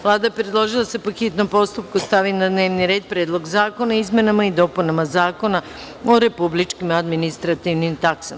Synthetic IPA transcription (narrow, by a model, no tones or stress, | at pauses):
ʋlˠaːd̪apɾe̞d̪lˠoʒilˠasepoxit̪no̞mpo̞st̪up̚kust̪aʋinad̪ne̞ːʋniɾeːd̪̚pɾeːd̪lˠo̞ɡzaːko̞naizme̞namaid̪o̞punamazaːko̞na | o̞ɾe̞publit͡ʃkimad̪minist̪ɾat̪iʋnimt̪aksam